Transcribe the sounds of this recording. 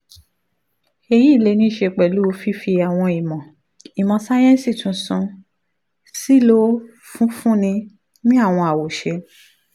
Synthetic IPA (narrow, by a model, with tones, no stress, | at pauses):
e˧ji˦˨le˧nĩ˦˨ʃe˧k͡pɛ˨lu˨˦˧fi˦fi˧a˨w̃ɔ̃˧i˨mɔ̃˨ | i˨mɔ̃˨sa˦j̃ɛ̃˦si˦˨tũ˨˧˦sũ˧ | si˦lo˦ | fũ˦fũ˦nĩ˧ | nĩ˦a˦˨w̃ɔ̃˧a˨wo˨ʃe˧˦